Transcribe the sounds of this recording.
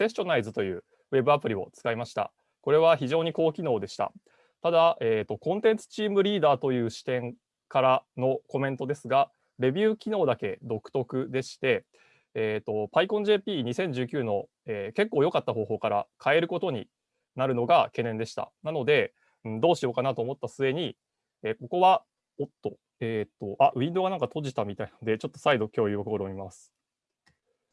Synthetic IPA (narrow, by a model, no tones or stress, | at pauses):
se̞ɕɕo̞naizɨt̪o̞jɯ̟ː | βe̞bɯ̟apɯ̟ɾʲio̞̰t͡sɨ̥kaimaɕi̥t̪a̰ | ko̞ɾe̞β̞açiʑo̞ːɲ̟iko̞ːkʲino̞ːd̪e̞ɕi̥t̪a̰ | t̪ad̪aʔeːt̪ːo̞kõ̞nt̪ẽ̞nt͡sɨ̥t͡ɕiːmɯ̟ɾʲiːd̪aːt̪o̞jɯ̟ːɕi̥t̪ẽ̞ŋ | kaɾano̞ko̞mẽ̞nt̪o̞d̪e̞sɨɡa | ɾe̞bʲjɯ̟ːkʲino̞ːd̪ake̞d̪o̞kɯ̟̥t̪o̞kɯ̟d̪e̞ɕi̥t̪e̞ | eːt̪o̞paikõ̞ɲd͡ʑe̞ːpʲiːɲ̟isẽ̞ɲ̟d͡ʑɨːkʲɨːno̞ | eːke̞kːo̞ːjo̞kat̪ːaɦo̞ːɦo̞ːkaɾa̰kʰae̞ɾɯ̟ko̞t̪o̞ɲ̟ḭ | naɾɯ̟no̞ɡake̞ːnẽ̞ne̞ɕi̥t̪a̰nano̞d̪e̞ | ɯ̟̃ɴd̪o̞ːɕijo̞kanat̪oːmo̞t̪ːasɨe̞ɲ̟i | eːko̞ko̞βa | ot̪ːo̞ | eːt̪ːo̞ʔaʔɯ̟ĩnd̪o̞ɡanãŋkat̪o̞ʑit̪amʲit̪ainaod̪e̞t͡ɕo̞t̪ːosaid̪okʲo̞ːjɯokɯkoɾoːmʲimasɨ̥